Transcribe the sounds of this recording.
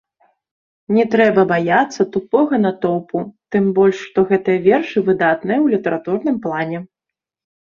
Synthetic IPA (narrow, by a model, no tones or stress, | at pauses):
nʲɛt̪ɾɛbɐbajat̪sːɐt̪upɔɣɐnɐt̪ɔwput̪ɨmbɔlʲʂːt̪ɔɣɛt̪ɨjɐvʲɛrʂɨvɨd̪at̪nɨjɐwlʲit̪ɐɾat̪urnɨmplˠanʲɛ